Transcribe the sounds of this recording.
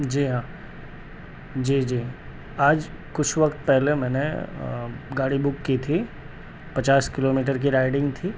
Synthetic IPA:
d͡ʒiːɦãː | d͡ʒiːd͡ʒiː | aːd͡ʒ | kʊt͡ʃʰʋɐkt̪̚pɛɦlemɛ̃ːne | ɡaːɽibʊkːit̪ʰi | pɐt͡ʃaːskɪloːmiːʈ̬əɾk̬iɾaːɪɖɪ̃ŋɡt̪ʰiː

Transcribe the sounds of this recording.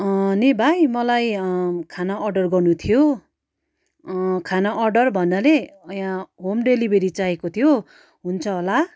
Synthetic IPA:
nibʱajmʌlajkʰanaʌrɖʌrɡʌrnut̪ʰijo | kʰanaʔʌrɖʌrbʱʌnːʌleʌjãɦomɖelibʱeɾit͡saekot̪ʰijo | ɦunt͡sʰʌɦola

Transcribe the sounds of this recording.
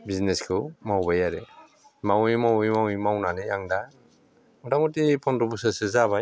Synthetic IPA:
bizneskʰɯwmawbajaɾe | mawijmawijmawimawnanɯjaŋda | ŋdamutipʰɔnɾɔbusasɯzaβaj

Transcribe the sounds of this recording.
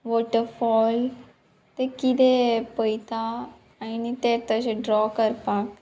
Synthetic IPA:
ʋɔːʈəɾfʰɔːl | t̪ekid̪epəit̪ã | əinit̪eːt̪ət͡ʃeɖɾɔːkəɾpaːk

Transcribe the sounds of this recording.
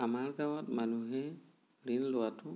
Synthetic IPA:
amaɹɡawɔtmanuɦɛ | ɹinlʊwatʊ

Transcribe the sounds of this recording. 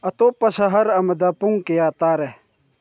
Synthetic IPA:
ɐt̪opɐsɐɦɐɾɐmɐd̪apuŋkejaːt̪aːɾe

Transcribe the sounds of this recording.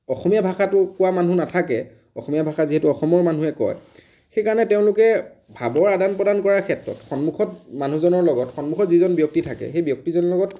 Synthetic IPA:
ɔxɔmijabʱaxatʊkʊwamanunatʰakɛ̰ | ɔxɔmijabʱaxaziɦɛtʊɔxɔmɔɹman̤uɛkɔ̰j | xejkaɹɔnɛteʊ̃lʊkɛbʱabɔɹadanpɹɔdankɔɹaɹkʰɛtɹɔ̰txɔnmuxʰɔtmanuzɔnɔɹlɔɡɔtxɔnmuxʰɔtzizɔnbjɔk̚titʰakɛ̰xejbjɔk̚tizɔnɔɹlɔɡɔt

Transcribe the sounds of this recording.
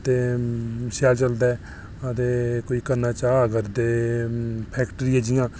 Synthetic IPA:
t̪eːsɛːlt͡ʃəld̪ɛː | ət̪eːkoːiːkəɾnaːt͡ʃaːəɡəɾd̪eː | pʰɛːkʈɾɪjɛːd͡ʒɪjãː

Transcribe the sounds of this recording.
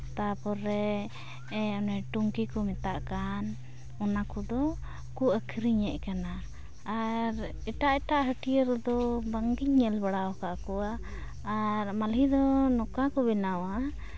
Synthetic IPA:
t̪apɔɾɛ | ɛɔnɛʈuŋkikɔmɛt̪aʔkan | ɔnakɔd̪ɔ | kuʔəkʰɾiɲɛʔkanaː | ɾ | ɛʈaʔɛʈaʔɦəʈijəɾd̪ɔbəŋɡiɲːɛlbaɽawɔkaʔkɔwaː | ɾmalɦid̪ɔnɔkakɔbɛnawa

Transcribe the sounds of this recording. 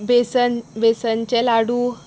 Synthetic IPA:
besənbesənt͡ɕelaɽu

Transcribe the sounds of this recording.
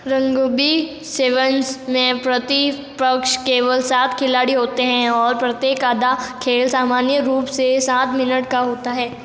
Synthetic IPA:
ɾɐ̃ŋɡobi | seːʋənsmẽpɾɐt̪i | pɐkʃkeːʋəlsaːt̪ʰkʰɪlaːɽiɦoːt̪eɦɛ̃ɔːɾpɾɐt̪jeːkaːd̪akʰeːlsaːmaːnjəɾuːpsesãːt̪ʰmɪnəʈkaɦoːt̪aɦɛː

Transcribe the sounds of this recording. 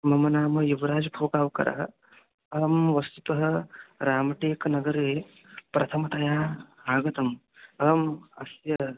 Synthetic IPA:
mɐmɐnaːmɐjuʋɐɾaːd͡ʒbʱoːkaːʋkɐ̰ɾʔɐ̰ɦɐ | ɐːmʋɐst̪u̥t̪ɐɦɐɾaːmɐʈeːkɐnɐɡɐɾeː | pɾɐt̪ʰɐmɐt̪ɐjaːaːɡɐt̪ɐm | ɐmɐsjɐ

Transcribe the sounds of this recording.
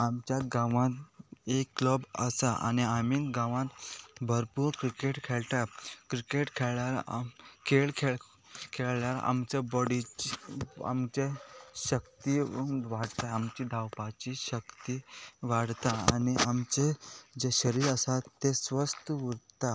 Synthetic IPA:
amt͡ɕjaɡãʋãt̪ekːlɔbə̰saʔa̰niamiːnɡãʋãt̪bʱəɾpuːɾkɾikeʈkʰeɭʈakɾikeʈkʰeɭjaɾ̰kʰeɭkʰe | kʰeɭɭjaɾa̰mt͡ɕebɔɽiia̰mt͡ɕeɕəkt̪iʋaɽt̪aamt͡ɕiːɖʱawpat͡ɕiɕəkt̪iːʋaɽt̪aaniamt͡ɕed͡ʑeɕəɾiːɾəsat̪ːesʋəst̪əʋuɾt̪a

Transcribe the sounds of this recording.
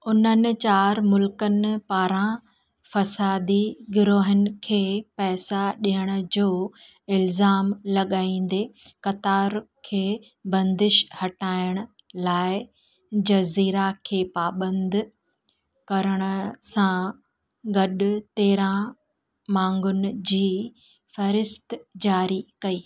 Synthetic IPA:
ʊnənɪ̆t͡ɕaːɾmʊlkənɪ̆paːɾã | fɐsaːd̪iɡʊɾoːɦənɪ̆kʰeːpɛːsaɗiɦəɽ̃ʊ̆d͡ʑoː | ɪlzaːmlɐɠaːĩːn̆d̪eːkɐt̪aːɾkʰeː | bɐ̃nd̪ɪʃhɐʈaːɪəɽ̃ʊ̆ | laːɪ | d͡ʑɐziːɾakʰeːpaːbə̃nd̪ʱ | kɐɾəɽ̃ə̆sã | ɡɐɗʊt̪eːɾã | mãːŋɡʊnɪ̆d͡ʑiː | fɐɾɪst̪d͡ʑaːɾikɐiː

